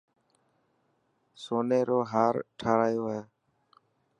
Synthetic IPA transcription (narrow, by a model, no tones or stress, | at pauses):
soːneːɾoːɦaːɾʈʰaːɽaːjoːɦeː